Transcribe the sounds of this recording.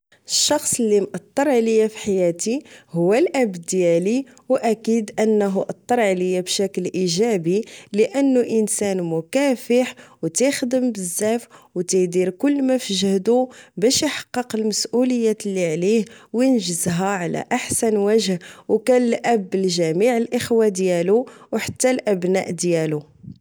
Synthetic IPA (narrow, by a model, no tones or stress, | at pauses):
əʃːɑxsˤəlːimʔɑt̪ˤːəɾˤʕləjːafiħajæt̪ihʊwːælʔæbd̪jæli | wʔækid̪ʔənːɦuʔɑt̪ˤːɑɾˤʕaləjːabʃæklʔiʒæbiləʔənːuʔənsænmʊkæfəħwt̪ixd̪əmbəzːæfwt̪id̪iɾkʊlːmæfəʒəhd̪ubæʃjħɑ̥qːəqəlməsʔuləjːæt̪lːiʕlihwjənʒəzɦæʕlæ̰ʔaħsænwæʒhwkænlʔæbːəlʒæmiʕəlʔəxwad̪jæluwħat̪ːælʔæbnæ̰ʔd̪jælu